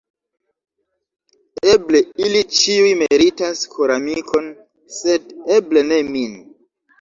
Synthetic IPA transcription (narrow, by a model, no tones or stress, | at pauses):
eble̞ilit͡ʃiujmeɾitaskʰoɾamikʰo̞n | se̞deble̞ne̞min